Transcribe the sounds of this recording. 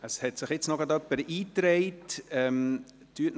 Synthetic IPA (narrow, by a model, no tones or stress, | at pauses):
əshɛtsɪχjɪt͡snɔɡɑd̪œpːəɾiːtɾɛɪtɛm | tyətn